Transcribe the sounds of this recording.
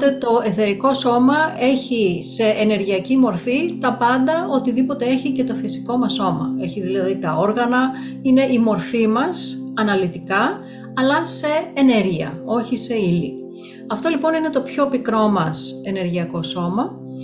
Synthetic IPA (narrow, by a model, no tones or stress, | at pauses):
t̪et̪o̞e̞θe̞ɾiko̞so̞mɐe̞çise̞ʔːne̞ɾʝiɐcimo̞ɾfit̪ɐpɐnd̪ɐo̞t̪iðipo̞t̪e̞e̞çice̞t̪o̞fisi̥ko̞mɐsːo̞mɐ̰e̞çiðilɐðit̪ɐoɾɣɐnɐ | ine̞ʔimo̞ɾfimɐsɐnɐlit̪ikɐ | ɐlɐse̞ːne̞ɾʝiɐ̰o̞çise̞ili | ɐft̪o̞lipo̞nine̞t̪o̞pço̞pikɾo̞mɐse̞ne̞ɾʝiɐko̞so̞mɐ